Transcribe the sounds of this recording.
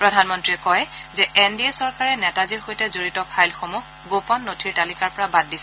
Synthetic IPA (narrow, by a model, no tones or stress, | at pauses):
pɹɔdʱanmɔntɹiɛkɔjzɛʔendiesɔɹkaɹɛnɛtaziɹxojtɛzoɹitɔpʰajlxomu | ɡopɔnːotʰiɹtalikaɹpɔɹabad̚ːisɛ